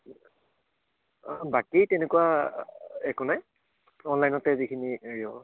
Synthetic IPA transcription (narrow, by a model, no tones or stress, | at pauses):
bakitɛnekuwa | ɛkunaj | ɔnlajnɔtɛzikʰinieɹiɔ